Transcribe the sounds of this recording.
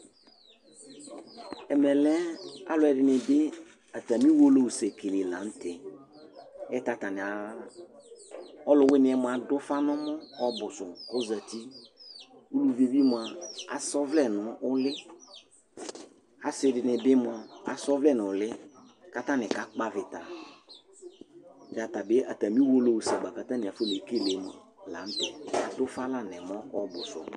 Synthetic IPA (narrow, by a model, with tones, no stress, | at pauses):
ɛ˨mɛ˨lɛ˦a˦lʊ˨˦ɛ˨dɪ˨nɪ˨bɪ˦ | a˨ta˨mĩ˦wo˦lo˦u˨sɛ˨ke˨le˨la̰˨˦n̩˦tɛ˨ | ɛ˦ta˨ta˨nɪ˨a˨ | ɔ˦lʊ˨˦wɪ˦nɪ˨ɛ˨˦mʊ˨a˨dʊ˦fa˦nɔ˦mɔ˦ɔ˦bʊ˨sʊ˨kʊ˦za˨ti˦ | u˦lu˨ve˨vi˦mʊ˨a˨a˨sɔ˦vlɛ˦nʊ˨ʊ˦lɪ˦ | ha˦sɪ˨dɪ˨nɪ˨bɪ˦mʊ˨a˨a˨sɔ˦vlɛ˦˨n˨ʊ˨lɪ˦ | ka˦ta˦nɪ˨ka˨k͡pa˦vɪ˨ta˨ | d͡ʒa˨ta˨bɪ˦ʔa˨ta˨mĩ˦wo˦lo˨wu˨sa˨ɡ͡ba˨ka˨tã˦nɪ̃˨a˨fe˦le˨˦ke˦˨le˨˦mʊ˨a˨ | la˨˦n̩˦tɛ˨a˨dʊ˦fa˦la˦˨nɛ˨mɔ˦ɔ˦bʊ˨sʊ̰˨